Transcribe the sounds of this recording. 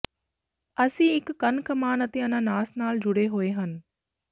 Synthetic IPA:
ɐsĩɪkːɐnkəmaːnət̪eɐnãnaːsnaːld͡ʑʊɽeɦoeɦənɪ̆

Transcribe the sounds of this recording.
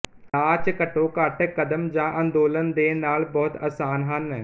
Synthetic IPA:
aːt͡ʃkəʈːõːkaːʈːkəd̪əmd͡ʒãːʔãːnd̪oːlənd̪eːnaːlbɔːt̪aːsaːnɦən

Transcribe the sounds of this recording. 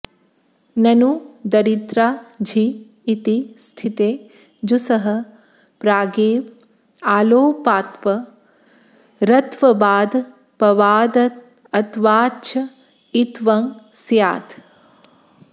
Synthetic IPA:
nɐnud̪ɐɾit̪ɾaːd͡ʒʱiː | t̪ist̪ʰit̪eː | d͡ʒusɐɦɐ̆ | pɾaːɡeː | aːloːpaːt̪ʋɐ | ɾɐt̪ʋɐbaːd̪ | pɐʋaːd̪ɐt̪̚ | ɐt̪ʋaːt͡ʃʰɐ | it̪ʋɐŋsjaːt̪

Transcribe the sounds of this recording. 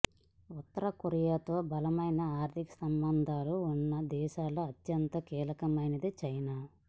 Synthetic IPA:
ut̪ːɐɾɐkuɾijaːt̪o̞ːbɐlɐmɐjnɐaːɾt̪ʰikɐ̥sɐmbɐnd̪ʱaːluːnːɐd̪ɛːʃaːloːɐt̪jɐnt̪ɐkiːlɐkɐmɐjnɐd̪it͡ʃɐjnaː

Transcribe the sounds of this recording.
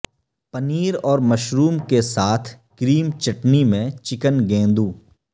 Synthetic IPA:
pəniːɾɔːɾmɐʃɾuːmkesaːt̪ʰ | kɾiːmt͡ʃɐʈnimẽt͡ʃɪkənɡẽːnd̪uː

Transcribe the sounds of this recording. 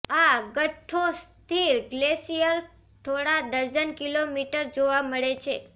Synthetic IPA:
aɡəʈʰost̪ʰiːɾɡlesijəɾ | t̪ʰoɽad̪əɾd͡zənkilomiʈəɾd͡ʑoʋaməɭet͡ɕʰe

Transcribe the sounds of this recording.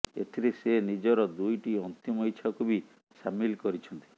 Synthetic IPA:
ḛt̪ʰiɾesenid͡ʒɔɾɔd̪ujʈiɔnt̪imɔjt͡ʃʰɔkʰubi | samilkɔɾit͡ʃʰɔnt̪i̥

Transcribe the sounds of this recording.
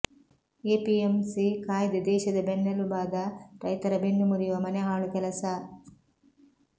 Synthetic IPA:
eːpiemsikaːjd̪ɐd̪ɛːʃɐd̪ɐbenːɐlubaːd̪ɐɾɐjt̪ɐɾɐbenːumuɾijuʋɐmɐneɦaːɭukɛlɐsɐ

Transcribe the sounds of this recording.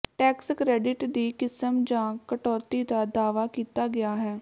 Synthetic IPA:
ʈɛːkskɾɛːɖɪʈd̪iːkɪsəmd͡ʒãːkəʈɔːt̪iːd̪aːd̪aːʋaːkiːt̪aːɡɪaːɦɛː

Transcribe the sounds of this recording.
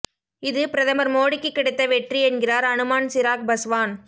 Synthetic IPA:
ɪðɯpɪɾɐðɐmɐɾmoːɽɪkːɯkːɪɽɯt̪ːɐʋɛʈriɛnɡɪraːɾɐnɯmaːnsɪɾaːk̚bɐsʋaːn

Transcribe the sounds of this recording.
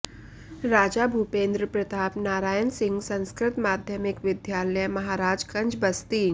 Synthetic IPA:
ɾaːd͡ʒaːbʱupẽːnd̪ɾəpɾɐt̪aːpnaːɾaːjənsɪ̃ŋɡsɐ̃nskɾɪt̪maːd̪ʱjəmɪkʋɪd̪jaːləjmɐɦaːɾaːd͡ʒkɐ̃ɲd͡ʒbɐst̪iːn

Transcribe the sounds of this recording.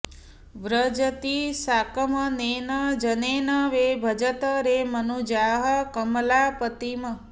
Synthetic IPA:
ʋɾəd͡ʒət̪isakəmənenəd͡ʒənenəʋebʱəd͡ʒət̪əɾemənud͡ʒaɦəkəmlapət̪imə

